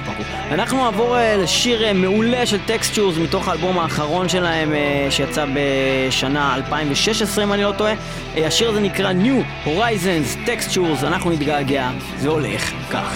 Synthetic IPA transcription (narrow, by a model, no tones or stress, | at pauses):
anaχnuaːvoʁeleʃiʁeme̞ule̞ʃelt̪ekstuʁzmito̞χaːlbo̞maːχaʁo̞nʃe̞lae̞mʃejat͡sabeʃanaalpaimveʃe̞ʃesʁimanilo̞to̞e̞ | aʃiʁaze̞nikʁanju | ho̞ʁajzonzt̪ekstuʁzanaχnunit̪ɡaːɡea | zeole̞̰χka̰χ